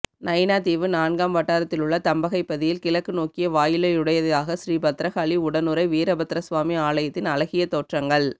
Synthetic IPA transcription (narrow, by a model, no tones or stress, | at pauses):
nɐɪnaːt̪iːʋɯnaːɳɡaːmʋɐʈːaːɾɐt̪ːɪlʊɭːɐt̪ɐmbɐɣɐɪpːɐðɪjɪlkɪlɐkːɯnoːkɪjɐʋaːjɪlɐɪʊɽɐjɐðɐðaːɣɐsɾiːbɐt̪ːɾɐɣaːliʊɽɐnɯɾɐɪʋiːɾɐbɐt̪ːɪɾɐsʋaːmiaːɭɐjɐt̪ːɪnɐlɐɣɪjɐt̪oːʈrɐŋɡɐɭ